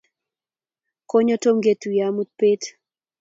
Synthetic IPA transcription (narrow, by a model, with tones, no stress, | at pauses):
ko˦ɲɔ˦to˦mɡe˦tu˨ja˦mu˦t̪̚pe˦t